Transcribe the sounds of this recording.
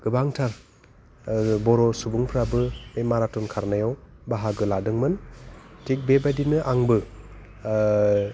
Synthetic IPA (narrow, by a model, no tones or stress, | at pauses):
ɡ̥ɯbaŋtʰaɾ | bɔɾɔsubuŋpʰɾabɯmemaɾatɔnkʰaɾnajɔwbaɦaɡɯladɯŋmɯntʰik̚bebadinɯʔaŋbɯ